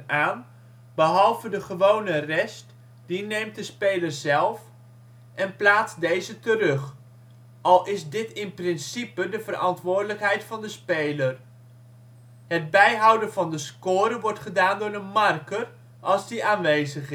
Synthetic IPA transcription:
aːn | bəɦɑlˠvədəχəʋownərɛst | d̥inejmt̚dəspejləɹzɛlˠf | ʔɛnplaːtsdejzətərɵχ | ʔɑlˠɪzdɪtɪnprɪnsipədəvəɾʔɑntʋʊːɹdələkɦɛjtfɑndəspejlər | ɦəd̚bɛjɦɑwdənvɑndəskʊːɾəʋɔɹtχədaːndʊːɹənmɑrkər | ʔɑlˠzdiʔaːnʋejzəχ

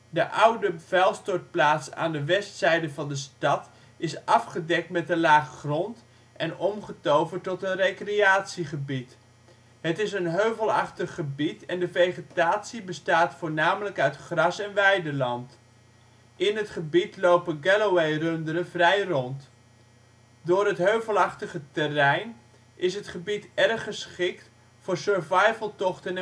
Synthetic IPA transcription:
dəʔʌwdəv̥ɛlˠstɔt̚plaːtsa̰ːndəʋɛstsɛjdəvɑndəstɑt | ɪsɑfχədɛk̚tmɛtəlaːχəχrɔnt | ʔɛnɔmχətowvətɔtənrejkreaːtsiχəbit | ɦətɪsənɦøɥvəlˠɑχtəχːəbitɛndəvejχətaːtsibəstaːtfʊːɹnaːmələkœɥtχrɑsɛnʋɛjdəlɑnt | ɪnɦətχəbitlowpənɡɛlowejrɵndəɾəvrɛjrɔnt | dʊːɾɦətɦøɥvəlˠɑχtəχətɛrɛjn | ʔɪsɦətχəbitɛrχəsχɪk̚t | fʊːɹsøɹvɑjvəlˠtɔχtən

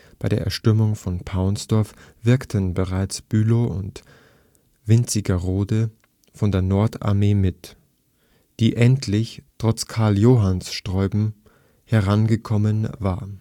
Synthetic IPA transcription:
b̥aɪdeːɐʔɛɐʃtʏmʊŋfɔnpʰaʊnsd̥ɔɐfv̥ɪɐktʰənbəʁaɪt͡sb̥yːloʔʊ̰nt | v̥ɪnt͡sɪɡɐʁoːdə | fɔndeːɐnɔɐtʰa̰ɐmeːmɪt | d̥iːʔɛntʰlɪçtʁ̥ɔt͡skʰaɐljoːɦansʃtʁ̥ɔʏbm̩ | hɛʁanɡəkʰɔmənvaːɐ

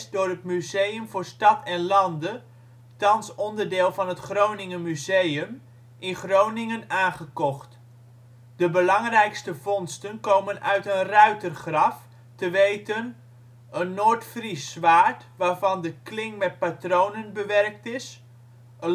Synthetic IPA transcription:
zdʊːɹɦət̚myzejəmvʊːɹstɑtʰɛnlɑndə | tɑnsɔndəɹdɪːlˠvɑnɦətχrownɪŋəmyzejəm | ʔɪnχrownɪŋənaːnχəkɔχt | d̥əbəlɑŋrɛjkstəvɔnstənkowmənʔœɥtənrœɥtərχrɑf | təʋejtən | ənːoːɹtfrisʋaːɹt | ʋaːɹvɑndəklɪŋmɛt̚patrownənbəʋɛrk̚tɪs | ə

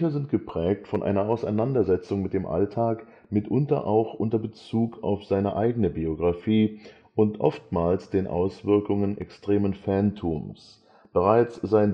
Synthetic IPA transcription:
çɐzɪntɡ̥əpʁ̥ɛːk̚tfɔnʔa̰ɪnɐʔaʊsaɪnandɐzɛt͡sʊŋmɪt̚d̥eːmʔa̰ltʰaːk | mɪtʔʊntɐ̰ʔaʊxʔʊntɐbət͡suːkʰa̰ʊfz̥aɪnəʔaɪɡənəbioɡʁafiː | ʔʊntʔɔ̰ftmaːlsd̥eːnʔa̰ʊsv̥ɪɐkʊŋənʔɛ̰kstʁ̥eːmənfɛntʰuːms | b̥əʁaɪt͡sz̥aɪn

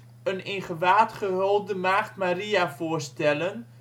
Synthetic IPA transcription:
ənɪnχəʋaːtχəɦolˠdəmaːχtmariafoːrstɛlən

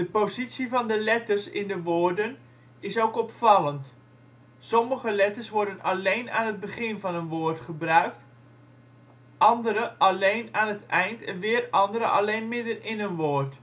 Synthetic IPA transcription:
d̥əpozisivɑndəlɛtərsɪndəʋoːrdən | ɪsoːkɔpfɑlˠənt | sɔməχəlɛtərsʋʊrdənalejna̰ːnɦəd̚bəχɪnvɑnənʋoːrtχəbrœɥk̚t | ɑndəɾəʔalejnaːnətɛjntʰɛnʋɪərɑndəɾə̰ʔa̰lejnmɪdərɪnənʋoːrt

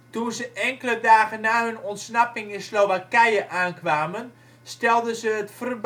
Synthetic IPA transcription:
tunzəʔɛŋkələdaːɣənːaːɦønɔntsnapɪŋɪnslowʋakɛjəʔaːnkʋaːmən | stɛlˠdəzəətfərb

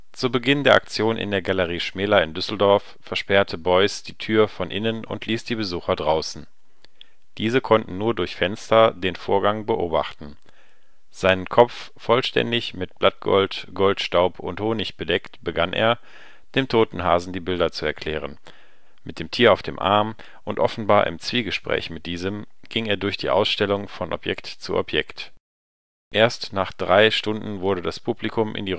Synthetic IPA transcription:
t͡subəɡɪndeːɐʔakt͡sjoːnʔɪ̰ndeːɐɡaləʁ̞iːʃmɛːlɐɪndʏsl̩dɔɐfːɛɐʃpɛɐtʰəbɔʏsd̥iːtʰyːɐfɔnʔɪnənʊ̰ntʰliːsd̥iːbəzuːxɐdʁaʊsn̩ | d̥iːzəkʰɔntn̩nuːɐdʊɐçfɛnstɐdeːnfo̰ːɐɡaŋbəʔoːba̰χtn̩ | z̥aɪnənkʰɔp͡fːɔlʃtɛ̰ndɪçmɪt̚b̥lat̚ɡ̥ɔ̰ltɡ̥ɔltʃtaʊpʰʊnthoːnɪçb̥ədɛktb̥əɡanʔḛːɐ | d̥eːmtʰoːtn̩ɦaːzn̩diːbɪldɐt͡suɛɐkʰl̥ɛːʁ̞ən | mɪt̚d̥eːmtʰiːɐaʊfd̥ḛːmʔa̰ɐm | ʔʊntʔɔfn̩baːɐʔɪ̰mt͡sv̥iːɡəʃpʁ̥ɛ̰ːçmɪt̚d̥iːzəmɡ̥ɪŋeːɐdʊɐçd̥ḭːʔa̰ʊsʃtɛlʊŋfɔnʔɔ̰pjɛktt͡suʔɔ̰pʰjɛkt | ʔeːɐstnaːχd̥ʁaɪʃtʊndn̩vʊɐɾdədaspʰublikʰʊmʔɪ̰ndiː

